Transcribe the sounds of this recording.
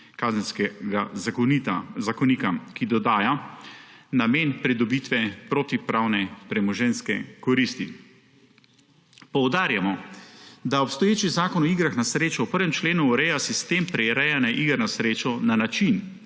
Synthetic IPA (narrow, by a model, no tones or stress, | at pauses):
kazɛnskɛɡazakɔnit̪a̰zakɔniːkakid̪ɔd̪aːja | nameːnpɾɛd̪ɔbiːt̪ʋɛpɾoːt̪ipɾawnɛpɾɛmɔʒɛnskɛkɔɾist̪i | pɔwd̪aːɾjamɔ | d̪aɔpst̪ɔjeːt͡ʃizaːkɔnɔiːɡɾaxnasɾeːt͡ʃɔwpəɾʋɛmt͡ʃleːnuːɾɛjasist̪empɾɛɾɛjanaʔiɡəɾnasɾeːt͡ʃɔnanat͡ʃin